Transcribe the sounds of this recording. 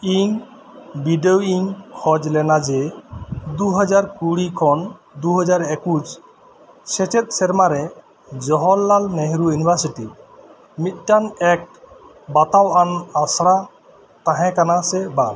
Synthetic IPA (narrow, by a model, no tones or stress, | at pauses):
iŋ | biɖeoiŋkʰɔd͡ʒlɛnad͡ʒɛ | d̪uɦɔd͡ʒaɾkuɽikʰɔn | d̪uɦɔd͡ʒaɾekud͡ʒ | sɛt͡ʃɛt̪̚sɛɾmaɾɛ | d͡ʒɔɦɔlːalmeɦɾujunibʱaɾsiʈi | mit̪̚ˀʈanɛk̚ | bat̪awanasɽa | t̪ãɦɛ̃kanasɛban